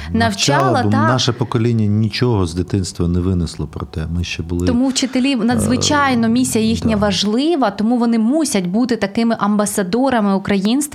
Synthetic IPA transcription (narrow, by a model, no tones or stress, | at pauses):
nɐwt͡ʃɑlˠɐɑnaʃɐpɔkɔlʲinʲːɐnʲit͡ʃɔɦɔzd̪ɪt̪ɪnst̪ʋɐnɛʋɪnɪslˠɔpɾɔt̪ɛmɪʃt͡ʃɛbʊlˠɪt̪ɔmuwt͡ʃɪt̪elʲinɐd̪zʋɪt͡ʃɑjnɔmʲisʲijɐjixnʲɐʋɐʒlˠɪʋɐt̪ɔmuʋɔnɪmusʲɐtʲbut̪ɪt̪ɐkɪmɪʔɐmbɐsɐd̪ɔɾɐmɪukɾɐjinst̪